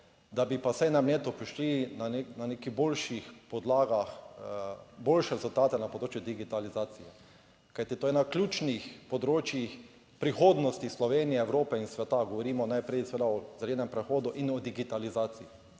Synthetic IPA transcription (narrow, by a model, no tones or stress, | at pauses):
d̪abipasajnamleːt̪ʊpɾiʃlinanenanekiboːlʃixpɔd̪laːɡax | boːlʃɛɾɛzult̪aːt̪ɛnapod̪ɾoːt͡ʃjʊd̪iɡit̪alizaːt̪sijɛ | kajt̪it̪oːjɛnaklʲjuːt͡ʃnixpɔd̪ɾoːt͡ʃjix | pɾixoːd̪nɔst̪ixslɔʋeːnijɛɛwɾoːpɛinsʋɛt̪aɡɔʋɔɾiːmɔnajpɾɛjsɛʋed̪aɔzɛleːnɛmpɾɛxoːd̪ʊʔinɔd̪iɡit̪alizaːt̪sij